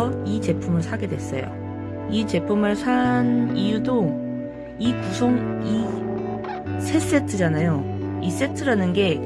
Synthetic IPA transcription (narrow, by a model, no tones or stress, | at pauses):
ʌit͡ɕe̞pʰumɯɭsʰaɡe̞dwe̞s͈ʌ̰jo̰ | it͡ɕe̞pʰumɯɭsʰanijudo | ikusʰoŋi | sʰe̞s͈e̞tʰɯd͡ʑanajois͈e̞tʰɯɾanɯnɡe̞